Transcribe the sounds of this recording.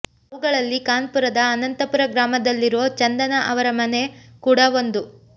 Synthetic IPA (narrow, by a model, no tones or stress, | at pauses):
ɐʋuɡɐɭɐlːikaːnpuɾɐd̪ɐːnɐnt̪ɐpuɾɐɡɾaːmɐd̪ɐlːiɾoːt͡ʃɐnd̪ɐnɐʔɐʋɐɾɐmɐne̞kuːɽɐʋo̞nd̪u